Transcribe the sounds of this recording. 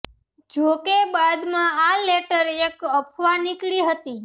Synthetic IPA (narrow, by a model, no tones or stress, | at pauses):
d͡ʒokebad̪mãaleʈəɾekəpʰʋanikɭiɦət̪i